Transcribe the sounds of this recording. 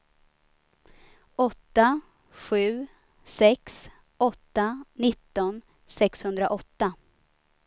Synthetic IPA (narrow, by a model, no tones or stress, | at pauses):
ɔt̪ːa | ɧʉ̟ː | sɛks | ɔt̪ːanɪt̪ːɔn | sɛkshɵnd̪ɾaʔɔt̪ːa